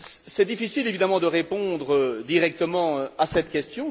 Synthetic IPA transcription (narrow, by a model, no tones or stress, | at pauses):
sɛd̪ifisilevid̪amɑ̃d̪əʁepɔ̃d̪ʁəd̪iʁɛk̚t̪əmɑ̃asɛt̪kʲɛst̪jɔ̃